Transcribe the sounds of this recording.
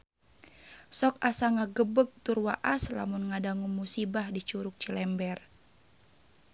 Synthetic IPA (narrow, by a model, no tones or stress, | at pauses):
sɔkasaŋaɡəbəɡ̚t̪urwaʔasla̰munŋadaŋumusibahdit͡ʃuɾʊk̚t͡ʃilɛmbɛr